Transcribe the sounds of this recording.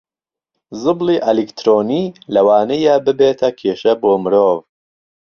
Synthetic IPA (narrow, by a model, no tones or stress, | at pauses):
zɨbliːʔɐlikt̪ʰɾoːniːlɐwaːnɐjaːbɨbeːt̪ʰɐkʰeːʃɐboːmɨɾoːv